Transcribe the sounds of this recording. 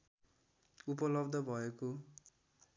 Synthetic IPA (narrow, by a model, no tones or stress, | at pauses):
upʌlʌbd̪ʱʌbʱʌeko